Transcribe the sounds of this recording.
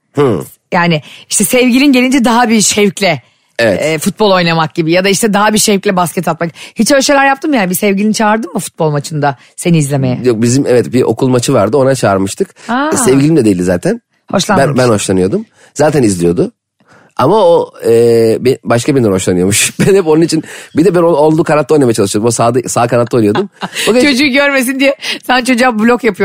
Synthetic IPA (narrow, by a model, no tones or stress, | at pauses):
hɯ̃ | jaːnɪiʃt̪ʰɛsɛvɟilʲinɟelʲind͡ʒɛd̪aɦabiʃɛvclʲɛ | evɛfut̪̚bolˠojnamak̚ɟibijad̪aiʃt̪ʰɛd̪aɦabiʃɛvclʲɛbascʰɛt̪ʰat̪̚makhit͡ʃøzʃejlʲæɾjap̚t̪ʰɯmjaːnbisɛvɟilʲinit͡ʃʰaːɾd̪ɯmmɯfu̥t̪̚bo̞lˠmat͡ʃʰɯnd̪a | se̞niizlʲeme̞jɛjok̚bizimɛvɛt̪biʔo̞̰kʰulˠmat͡ʃʰɯvaɾd̪ɯo̞nat͡ʃʰaːɾmɯʃt̪ʰɯkasɛvɟʲilʲimd̪ɛd̪e̞ilʲd̪izaːt̪ʰæn | ho̞ʃlˠabɛbænho̞ʃlˠanɯjo̞d̪um | zaːt̪ʰænizlʲijo̞d̪ʊ | amaoɛːbebaʃkʰabinnd̪ɛnho̞ʃlˠanɯjo̞muʃbɛnhɛponunit͡ʃʰinbid̪ɛbɛnoo̞lˠd̪ukʰanat̪ːˠojnamejat͡ʃalˠɯʃɯod̪mosaːd̪ɯsaːkʰanat̪ːˠonɯjo̞d̪umoɡet͡ʃʰo̞d͡ʒuːɟøɾme̞s̬ind̪ijɛsant͡ʃʰo̞d͡ʒuablʲokjapʰɯjo